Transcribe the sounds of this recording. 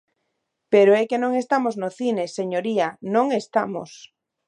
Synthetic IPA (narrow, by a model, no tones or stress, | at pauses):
peɾoekenõŋest̪amoznoθineseɲoɾianõŋest̪a̰mo̰s